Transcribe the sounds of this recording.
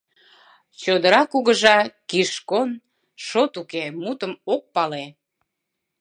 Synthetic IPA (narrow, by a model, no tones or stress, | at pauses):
t͡ɕod̪əɾɑkuɣəʒɑkiʃkon | ʃot̪ukemut̪əmok̚pɑle